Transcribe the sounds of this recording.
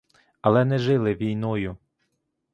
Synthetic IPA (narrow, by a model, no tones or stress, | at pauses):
ɐlˠɛnɛʒɪlˠɪʋʲijnɔjʊ